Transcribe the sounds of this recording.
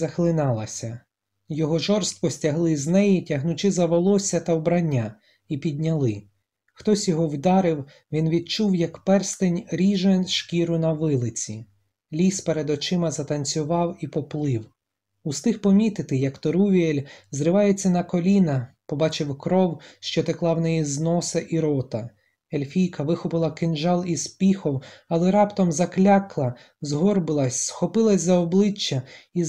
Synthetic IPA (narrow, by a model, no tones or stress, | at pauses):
zɐxlˠɪnɑlˠɐsʲɐ | jɔɦɔʒɔrst̪̚kɔsʲtʲɐɦlˠɪznɛjitʲɐɦnʊt͡ʃɪzɐʋɔlˠɔsʲɐt̪ɐwbɾɐnʲːa | ipʲid̪ʲnʲɐlˠɪ | xt̪ɔsʲjɔɦɔwd̪ɑɾɪw | ʋʲinʋʲid̪̚t͡ʃuwjɐkpɛrst̪enʲɾʲiʒenʃkʲiɾʊnɐʋɪlˠɪt͡sʲi | lʲispeɾed̪ɔt͡ʃɪmɐzɐt̪ɐnʲt͡sʲʊʋɑwipɔplˠɪw | ust̪ɪxpɔmʲit̪ɪt̪ɪjɐkt̪ɔɾuʋʲielʲzɾɪʋɑjet͡sʲːɐnɐkɔlʲinɐ | pɔbɑt͡ʃɪwkɾɔwʃt͡ʃɔt̪eklˠɑwnɛjiznɔsɐʔiɾɔt̪ɐ | elʲfʲijkɐʋɪxɔpɪlˠɐkɪnʒɑlˠispʲixɔwɐlˠɛɾɑpt̪ɔmzɐklʲaklˠɐ | zɦɔrbɪlˠɐsʲsxɔpɪlˠɐsʲzɐɔblˠɪt͡ʃːɐi